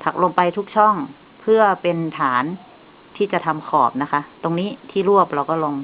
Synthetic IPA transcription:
t̪ʰa˨˩k̚lo˧ŋpa˧jt̪ʰu˦˥k̚t͡ɕʰɔ˥˩ŋ | pʰɯ˥˩ɐpe˧nt̪ʰaː˩˦n | t̪ʰiː˥˩t͡ɕa˨˩t̪ʰa˧mkʰɔː˨˩p̚na˦˥kʰa˦˥t̪o˧ŋniː˦˥t̪ʰiː˥˩ɾu˥˩əp̚ɾa˧wkɔː˥˩lo˧ŋ

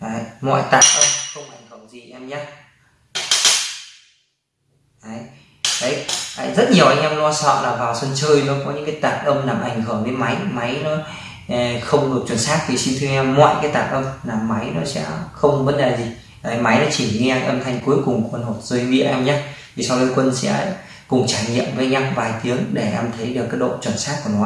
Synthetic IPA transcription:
ʔaː˨˩jmɔ̰˧˨jt̪aː˨˩t̚ʔə˧mxə˧wŋ͡mʔa˨˩jŋ̟hɨː˧˩wzi˨˩ʔɛ˧mɲaː˧˦ | ʔaː˨˩˨j | ʔə˨˦jʔa̰˧˨jzə˦˥t̚ɲi˨˩əwʔa˧jŋ̟ʔɛ˧wlɔ˧˦sɔ̰˧˨nlaː˨˩vaː˨˩wsə˧nt͡ɕəː˧jnu˧˨˦kɔ˨˦ɲɨ̰˧˥ŋkaː˨˦jt̪aː˨˩t̚ʔə˧mnaː˨˩mʔa˨˧˩jŋ̟hɨ˧˩ŋke˨˦ma˨˦jma˨˦jnɔ˨˦˨ | xə˧wŋ͡mɗɨ˨˩ək̚t͡ɕwə˧˩nsaː˦˥k̚t̪ʰi˨˩si˧nt̪ʰɨ˧ʔɛ˧mmɔ̰˧˨jkaː˨˦jt̪aː˨˩t̚ʔə˧mlaː˨˩ma˨˦jnɔ˨˦sɛ̰˧˥xə˧wŋ͡mvə˨˦nɗa˨˩zi˨˩ | ə˨˩ma˨˦jnɔ˨˦t͡ɕi˧˩i˧ʔaː˧jʔə˧mt̪ʰa˧jŋ̟ku˨˦jkʊ˨˩ŋ͡mku˧˨˩nmo˨˩t̚zəː˧jvḭ˧˨əʔɛ˧mɲaː˧t̪ʰi˨˩sa˧wkə˨˦kwə˧nsɛ̰˧˥ | kʊ˨˩ŋ͡mt͡ɕaː˧˩jɲḭ˧˨əmvəː˨˦ɲa˧wvaː˨˩jt̪i˨˦əŋɗe˧˩ʔa˧mt̪ʰə˨˦jɗɨ˨˩kːaː˨˦jɗo̰˧˨t͡ɕwə˧˩nsaː˦˥k̚ku˧˩ənɔ˨˦

